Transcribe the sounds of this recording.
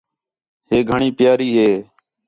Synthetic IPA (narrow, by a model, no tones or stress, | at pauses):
ɦeːɡʱəɳiːpjaːɾiːɦeː